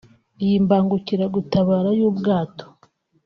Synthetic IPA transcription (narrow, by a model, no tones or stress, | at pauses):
jimbaːŋɡuciɾaɡutaβaːɾajuːbɡaːto̥